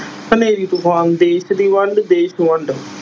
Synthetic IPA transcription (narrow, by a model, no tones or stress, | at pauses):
səneːɾiːt̪ʊfaːnd̪eːʃd̪iːʋəɳɖd̪eːʃʋəɳɖ